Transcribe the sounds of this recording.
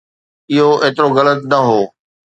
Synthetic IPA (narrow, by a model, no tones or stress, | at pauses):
ɪɦoʔeːt̪ɪɾoɣɐlət̪nɐɦoː